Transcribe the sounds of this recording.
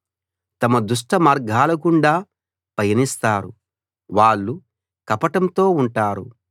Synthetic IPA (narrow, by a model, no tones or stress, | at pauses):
t̪ɐmɐd̪uʂ̬ʈɐmaːɾɡʱaːlɐkuɳɖaː | pɐjɐnist̪aːɾṵ | ʋaːɭːu | kɐpɐʈɐmt̪o̞ːuɳʈaːɾṵ